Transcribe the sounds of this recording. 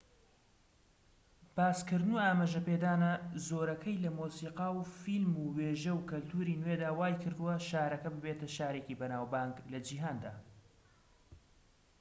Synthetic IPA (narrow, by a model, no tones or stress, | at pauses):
b̥aːskɨɾd̪ɨnuaːmaʒɐpeːd̪aːnɐzoːɾɐkʰɐjlɐmosiːqɑːwfilmuːweːʒɐwkɐlt̪ʰuɾiːnwed̪aːwaːjkʰɨɾd̪ɨwɐʃaːɾɐkɐbɨbeːt̪ɐʃaːɾecibɐnaːwbaːŋɡlɐd͡ʒiɦaːnd̪a̰ː